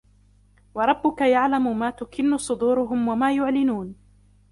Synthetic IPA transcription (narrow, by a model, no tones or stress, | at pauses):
wɑɾˤɑbːʊkajaʕlamʊmaːt̪ʊkɪnːʊsˤʊd̪uːɾʊɦʊmwamaːjʊʕlɪnuːn